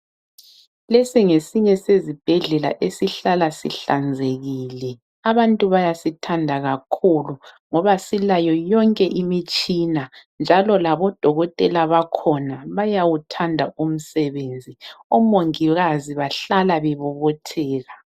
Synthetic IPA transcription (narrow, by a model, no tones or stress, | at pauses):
lesiŋesiɲɛsezib̥ʱɛɮɛla̰ʔesiɬalasḭɬand͡zʱeɣiːlɛ | aβantʼuβajasitʰandʱaɣakʰuluŋɔβasilajɔjɔŋkʼɛʔimit͡ʃʼinand͡ʒʱalɔlaβɔd̥ʱɔɣɔtʼɛlaβakʰɔnaβajawutʰandʱaum̩sɛβend͡zʱiɔmoŋiɣaziβaɬalaβɛβɔβɔtʰɛːɣa